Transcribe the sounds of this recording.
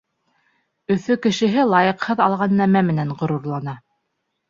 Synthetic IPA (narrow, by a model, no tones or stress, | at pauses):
ɵ̆θɵkɘ̆ʃɘ̆ɦɘlˠɑjɤ̆qhɤðɑlˠʁɑnːæmæmɘ̆næɴʁŏɾuɾlˠɑnɑ